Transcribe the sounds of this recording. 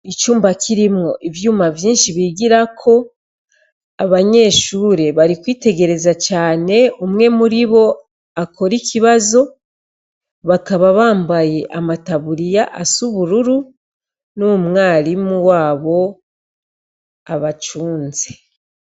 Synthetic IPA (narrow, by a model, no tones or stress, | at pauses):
it͡ʃuːmbakʰiɾimŋo̞ʔivjuːmavjiːnʃiβiɡiɾakʰo̞ | aβaɲe̞ːʃuːɾe̞βaɾikwiːte̞ɡe̞ɾe̞zat͡ʃaːne̞umŋe̞muɾiβo̞ | akʰo̞ɾikiβazo̞ | βakaβaβaːmbaje̞ʔamataβuɾijaʔasuβuɾuɾu | numŋaːɾimuwaːβo̞ | aβat͡ʃuːnze